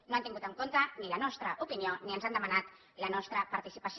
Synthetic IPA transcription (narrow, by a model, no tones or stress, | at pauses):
noant̪iŋɡut̪əŋkont̪ənilənɔst̪ɾəʔupinioniənzand̪əmanat̪ | lənɔst̪ɾəpaɾt̪isipəs